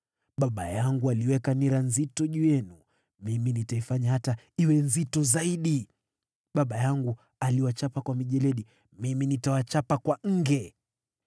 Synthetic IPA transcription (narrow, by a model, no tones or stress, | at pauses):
ɓaɓajaŋɡualiwɛkaniɾanzitɔʄujɛnu | miminitaifaɲahata | iwɛnzitɔzaiɗi | ɓaɓajaŋɡu | aliwat͡ʃapakwamiʄɛlɛɗi | miminitawat͡ʃapakwaŋ̩ɡɛ